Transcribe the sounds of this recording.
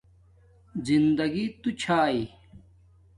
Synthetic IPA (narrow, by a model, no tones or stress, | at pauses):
zind̪ɐɡit̪ut͡ɕʰaːi